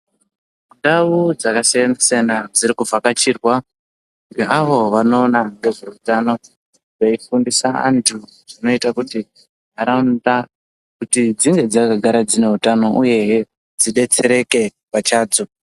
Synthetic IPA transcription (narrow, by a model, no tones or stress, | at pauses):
muɗaud͡zakasejend͡ziseanad͡ziɾikufakat͡ʃiːrwa | keʔaʋo̞ʋano̞ːnaŋɡe̞ʐe̞utano̞ | reifundisaa̰ntʰu | ʐ̥ino̞itakuti | ɦaɾanda | kutid͡ziŋɡe̞d͡zakaɡʱaɾad͡zine̞ɦutano̞ʔuje̞ɦ | d͡ziɗe̞t͡se̞ɾe̞ke̞ | pat͡ʃaːd͡zo